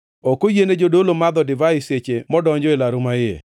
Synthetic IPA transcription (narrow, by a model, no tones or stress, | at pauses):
ɔkojened͡ʒodolomad̪ɔdɪvaɪset͡ʃemɔdɔɲd͡ʒɔelaɾʊmajḛ